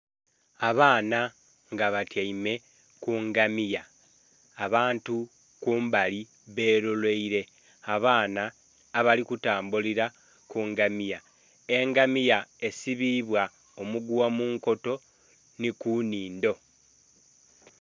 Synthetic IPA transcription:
aβaːna | ŋɡaβatjaime̞ | kuŋɡamijaː | βaːntu | kuːmbali | βe̞ːɾolwe̞iɾe̞ | aβaːnaː | βalikutaːmbuliɾa | kuŋɡamija | e̞ŋɡamijae̞siβiβwa | omuɡuwamuːŋko̞to̞ | nikuniːndo̞

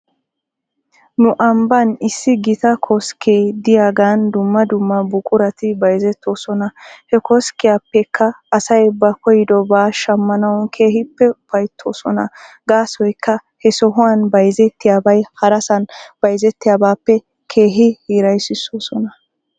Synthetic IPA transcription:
nʊʔɐmbɐnɪsːɪɡɪt̪ɐkʰɔskʰeːd̪ɪjaːɡaːnd̪ʊmːɐd̪ʊmːɐbʊkʼʊɾɐt̪ɪbɐjzɛt̪ːo̞ːsɔnɐhɛkɔskːɪjaːpːɛkːɐːsɐjbɐkɔjɪd̪ɔbaːʃɐmːɐnɐwnkʰeːɦɪpːɛʊpɐjt̪ʰːoːsɔnɐ | ɡaːsɔjkːɐhɛsɔɦʊwanbɐjzɛt̪ːɪjaːbɐjhɐɾɐsɐnb̥ɐjzɛt̪ːɪjaːbaːpːɛ | kʰe̞ːɦɪhiːɾɐjsɪsoːsɔnɐ

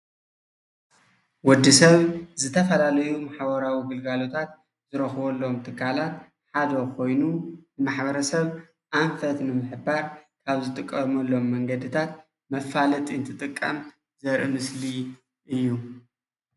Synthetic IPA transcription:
wɔd̪ːisɐβzɨt̪ʰɐfɐlalɐjumaħβɐɾawiɡɨlɡalo̞t̪ʰat̪ | zɨɾɐxβɐlːomt̪ʰɨkʰːalat̪ | ħad̪ɐkʰo̞jnunɨmaħbɐɾɐsɐβ | ʔaɱfɐt̪nɨmɨħɨbaɾkʰaβzɨt̪ʼɨkʼːɐmɐlːo̞mːɐŋɡɐd̪ɨt̪ʰat̪̚ | mɐfalɐt̪ʼiɨnt̪ʰɨt̪ʼɨkʼːɐm | zɐɾʔɨmɨsli | ʔɨjːu

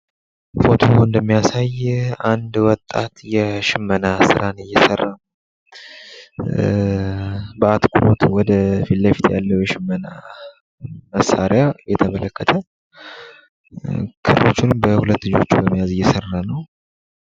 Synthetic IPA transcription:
fo̞t̪ʰo̞ɨnd̪əmːijasajand̪wɔt̪ʼːat̪jɛʃɪmːənasɨɾʔanɨjːɛsərːa | bəat̪kʰuɾot̪wɔd̪əfilːəfi̥t̪ʰja̰lːəwjɛʃɪmːəna | məsaɾɪjajɛt̪ʰəmələkːət̪ʰə | kʰɨɾɾo̞t͡ʃːɪnbəhulət̪ːlɨd͡ʒo̞t͡ʃːubəmːijazɨjːɛsərːanəw

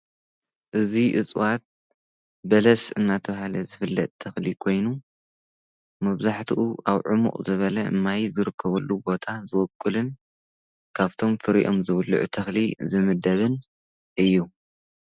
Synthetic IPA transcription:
ʔɨziʔɨt͡sʼwat̪̚ | bɐlɐsɨnːat̪ʰɐβahalɐzɨfɨlːɐ̰t̪ʼt̪ʰɐxlikʰo̞jnu | mɐβzaħt̪ʰuʔuʔaβʕʊmṵqʼzɨβɐlɐɨ̰mːajzɨɾɨkʰːɐβɐlːubo̞t̪ʰazɨwɔkʼːɨlɨn | kʰaβt̪ʰo̞mfɨɾḭʔo̞̰mzɨβɨlːṵʕṵt̪ʰɐxlizɨmɨd̪ɐβɨn | ʔɨjːu

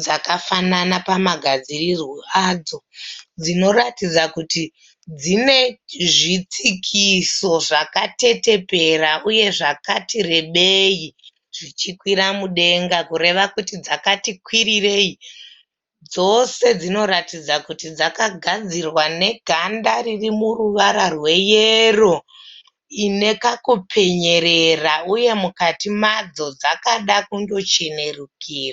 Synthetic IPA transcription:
d͡zakafananapamaɡʱad͡zirirwoad͡zo̞d͡zino̞ɾatid͡zakuti | d͡zine̞ʐit͡sikʰiso̞ʐakate̞te̞pe̞raʔuje̞ʐakatire̞ɓeji | ʐit͡ʃikwiɾamuɗe̞ŋɡakuɾe̞ʋakutid͡zakatikwirire̞i | d͡zo̞se̞d͡zino̞ɾatid͡zakutid͡zakaɡʱad͡zirwane̞ɡʱandaririmuruʋaɾarwe̞jero̞ | ine̞kakupʰe̞ɲe̞ɾe̞rauje̞mukatimad͡zo̞d͡zakaɗakuŋɡo̞t͡ʃe̞ne̞rukiːra

